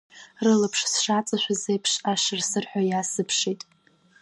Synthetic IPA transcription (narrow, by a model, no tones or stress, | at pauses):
rɨlapʰʂsʂat͡sʼɨʃʷᶣazejpʰʂaʃɨrsɨrħʷᶣajasɨpʰʂijtʼ